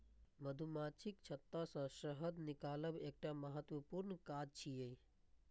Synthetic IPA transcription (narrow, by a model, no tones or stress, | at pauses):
məd̪ʱumat͡ʃʰikt͡ʃʰət̪ːasə̃səɦəd̪nikaləbek̚ʈaməɦət̪wəpuɾnkad͡ʒt͡ʃʰijej